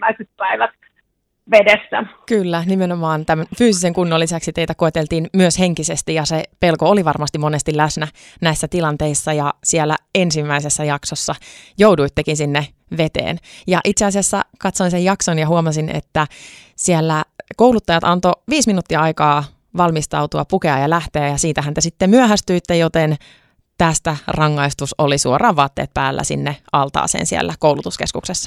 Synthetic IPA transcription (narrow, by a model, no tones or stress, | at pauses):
æiset̪̚pæiʋæt̪ | ʋedesːækylːænimenomɑːnt̪æmænfyːsiseŋkunːolːisæksit̪eit̪ækoet̪elt̪iːnmyøshe̞ŋkisest̪ijɑsepelkooliʋɑrmɑst̪imonest̪ilæsnæ | næisːæt̪ilɑnt̪eisːɑjɑsielːæ̰ensimːæisesːæjɑksosːɑjowduit̪ːekinsinːe | ʋet̪ḛːnjɑʔit̪seɑsiɑsːɑ̰kɑt̪soinsejɑksonjɑɦuomɑsinḛt̪ːæsiælːækoulut̪ːɑjɑt̪ɑnt̪oʋiːsminuːt̪ːiɑɑikɑː | ʋɑlmist̪ɑut̪uɑpukeɑjɑlæht̪eæjɑsiːt̪æɦænt̪esit̪ːemyæɦæst̪yit̪ːejot̪en | t̪æst̪ærɑŋːɑist̪usolisuorʔɑːʋʋɑːt̪ːḛːt̪̚pæːlːæ̰sḭnːeɑlt̪ɑ̰ːsḛːnsiæ̰lːækowlut̪uskeskuksesːɑ̥